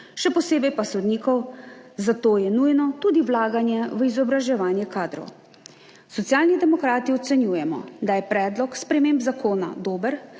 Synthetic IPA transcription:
ʃɛpɔseːbɛjpasɔd̪niːkɔwzat̪oːjɛnujnɔt̪uːd̪iwlaːɡanjɛʋəizɔbɾaʒɛʋaːnjɛkaːd̪ɾɔ̰w | sɔt̪jaːlnid̪ɛmɔkɾaːt̪iɔt̪sɛnjuːjɛmɔ̰d̪ajɛpɾɛːd̪lɔkspɾɛmeːmbzakʰoːna̰d̪oːbəɾ

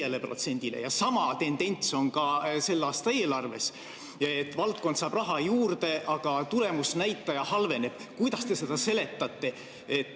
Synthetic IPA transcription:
elepro̞̰t̪se̞nʲd̪̥ile̞̰jɑsɑmɑt̪e̞nd̪e̞nʲt̪so̞nkɑse̞lːɑːst̪ɑe̞ːlɑrve̞̰s | et̪ːˑvɑlt̪̚kod̪sɑːb̥rɑɦɑjuːrd̪̥e̞ʔɑɡ̥ɑt̪ulemusnæjt̪ˑːɑjɑhɑlve̞ne̞b̥kujd̪ɑst̪e̞se̞d̪ɑse̞le̞t̪ːˑɑt̪ːe̞ | et̪ːˑ

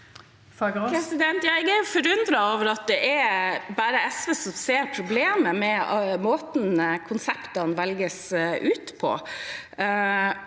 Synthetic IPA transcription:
fɑɡpɾɛsɪd̪ɛnt̪jæɪɡæɾjʊfɔɾʉnd̪ɾɑoːʋəɾɑt̪̚d̪ɛʔæɾbæːɾəɛsʋɛsɔmseːɾpʰɾʊbleːməmɛmoːt̪nkʰʊnsɛpt̪ɑnʋɛlɡəsʉːt̪pʰɔ̰

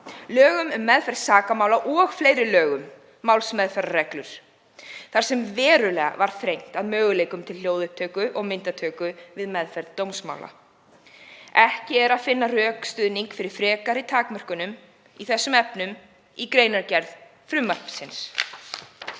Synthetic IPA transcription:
lœːɣʏmʏmːɛðfɛɾðsaːkamaːwlaʔɔɣfleːjɾɪlœːɣʏmː | awlsmɛðfɛɾarɛklʏɾ̥ | θaɾ̥sɛmvɛːɾʏlɛːɣa̰vaɾ̥θɾejŋ̥t̪aðmœːɣʏleːjkʏmt̪ʰɪlh̪joːwðʏhp̚t̪ʰœːkʏʔɔɣmɪnt̪at̪ʰœːkʏvɪðmɛðfɛɾðt̪owmsma̰wlʔa̰ | ɛhcɪɛɾaðfɪnːarœːkst̪ʏðniŋkfɪɾɪɾ̥fɾɛːkaɾit̪ʰaːkmœr̥kʏnʏm | iθɛsːʏmɛpnʏm | ikɾejnaɾcɛɾð | fɾʏmːapsɪns

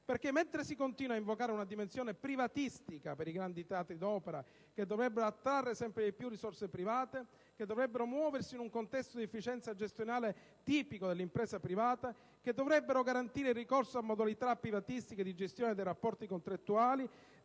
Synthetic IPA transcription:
perkemːent̪ɾesikont̪iːnwaiɱvokaːɾeunad̪imensjoːnepɾivat̪ist̪ikapeɾiɡɾand̪it̪eaːt̪ɾid̪ɔːpeɾa | k̟ed̪ːovɾɛbːeɾoat̪ːɾarːesɛmpɾeipjurːisorsepɾivaːt̪e | ked̪ːovɾɛbːeɾomwɔːversiːnuŋkont̪ɛst̪od̪iefːit͡ʃɛnt̪sad͡ʒest̪jonaːle | t̪iːpikod̪elːimpɾɛːsapɾivaːt̪a | k̟ed̪ːovɾɛbːeɾoɡaɾant̪iːɾeirːikorsoamːod̪alit̪apːɾivat̪ist̪iked̪id͡ʒest̪jɔːned̪ejɾapːɔrt̪ikont̪ɾat̪ːuaːli

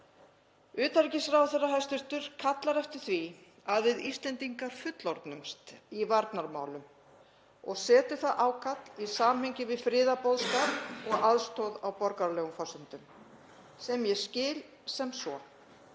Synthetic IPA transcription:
ʏːt̪aɾcɪsɾawθɛrːaɦajst̪ʏɾ̥t̪ʏɾ̥kʰat̪laɾɛft̪ɪɾ̥θvi | aðvɪðist̪lɛnt̪iŋkaɾ̥fʏt̪lɔɾt̪nʏmst̪ivaɾt̪naɾma̰ːwl̪ʏm | ɔɣsɛːt̪ʏθaðʔaːwkʰat̪lisaːmhʏɲcɪvɪðfɾɪːðapɔwðskaːpɔɣaðst̪owðawpɔɾkaɾlɛːɣʏmfasʏnt̪ʏm | sɛmjɛscɪːl | sɛmsɔ

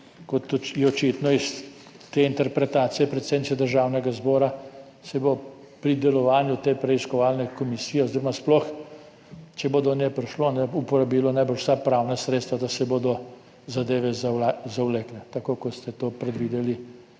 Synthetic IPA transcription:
kɔt̪jɛɔt͡ʃit̪nɔis | t̪eːint̪ɛɾpɾɛt̪at̪sijɛpɾɛt̪sed̪nsɛd̪əɾʒawnɛɡazbɔːɾa | sɛbo | pɾid̪ɛlɔʋaːnjut̪eːpɾɛiskɔʋalnɛkɔmisiːjɛoziɾɔmasplɔx | t͡ʃɛboːd̪ɔnjɛpɾiʃloːnɛupɔɾabiːlɔnajbəʃwsapɾawnasɾeːt̪st̪ʋad̪asɛboːd̪ɔ | zad̪eːʋɛzaazawlɛklɛt̪akoːkɔst̪ɛt̪oːpɾɛd̪ʋiːd̪ɛli

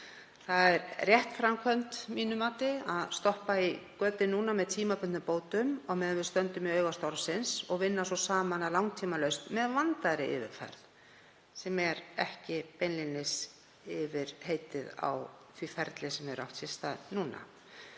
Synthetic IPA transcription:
θaðɛɾrjɛht̪fɾamkʰœnt̪miːnʏmaːt̪ɪaðst̪ɔhpaikœːt̪ɪnuːnamɛðt̪ʰiːmapʏnt̪ʏpoːwt̪ʏmɔɣmɛːðvɪðst̪œnt̪ʏmiœːɥɣast̪awɾsɪnsɔɣvɪnːasɔsaːmanalawŋt̪ʰiːmalœɥst̪mɛðvant̪aɾɪɪ̰vɪ̰ɾfɛ̰ɾð | sɛmɛɾɛhcɪpejnlinɪs | ɪvɪɾ̥heːjt̪ɪða̰wθwifɛɾt̪lɪsɛmɛɾa̰wht̪sɪst̪anuːna̰

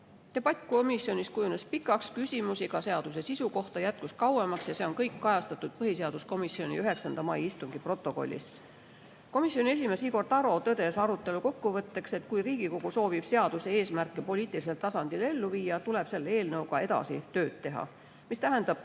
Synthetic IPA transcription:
t̪e̞b̥ɑt̪ʲko̞misio̞nʲiskujune̞spikːˑɑkskysʲimusiɡ̥ɑse̞ɑd̪̥us̬e̞sisuko̞ht̪ɑjæt̪̚kuskɑwemɑksjɑse̞o̞nkɤjkːɑjɑst̪ɑt̪ːˑud̪̥̚pɤɦise̞ɑd̪̥usko̞misio̞nʲḭyɦe̞ksɑnd̪̥ɑmɑjist̪uŋɡ̥ipro̞t̪ːˑo̞ko̞̰lʲːḭs | ko̞misːjonʲie̞s̬ʲime̞siɡo̞rt̪ɑɾo̞t̪ɤd̪e̞sɑɾut̪ːˑe̞luko̞kːuvɤt̪ːe̞kse̞t̪kujriːɡ̥iko̞ɡ̥uso̞ːvib̥se̞ɑd̪̥usee̞ːsmærkːˑepo̞lʲiːt̪ˑilis̬elt̪ɑsɑnd̪ile̞lːuviːjɑt̪ule̞b̥se̞lːee̞ːlnɤwɡɑe̞d̪ɑ̰sit̪ø̞ːd̪̥̚t̪e̞ɦɑ̰ | mist̪æɦe̞nd̪ɑb̥̚

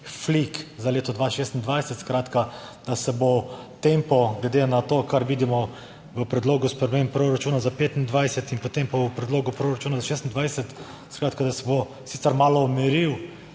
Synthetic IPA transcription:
flikzaleːt̪ɔd̪ʋaːʃeːst̪ind̪ʋajsɛt̪skɾaːt̪kad̪̥asɛbo | t̪empɔɡlɛd̪enat̪oːkaɾʋiːd̪imɔ | ʋəpɾɛd̪loːɡuspɾɛmemppːɾoɾat͡ʃuːnazapeːt̪ind̪ʋajsɛt̪inpot̪empabopɾɛd̪loːɡʊpɾoːɾat͡ʃuːnazaʃest̪nd̪ʋajsɛt̪ | skɾaːt̪̚kad̪asɛbo | siːt̪sɛɾmaːlɔːmɛɾiw

